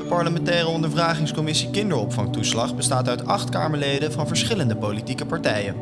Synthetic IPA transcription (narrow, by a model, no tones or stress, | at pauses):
əpɑɹləmɛntɛːrəɔndəɹvraːχɪŋskɔmɪsikɪndəɹɔpfɑŋtuslɑχbəstaːtœɥtɑχtka̰ːməɹlejdəvɑnvəɹsχɪləndəpolitikəpɑɹtɛjə̰n